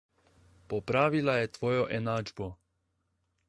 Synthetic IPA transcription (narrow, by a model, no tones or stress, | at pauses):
popɾaːʋilajɛt̪ʋoːjoʔɛnaːd͡ʒbo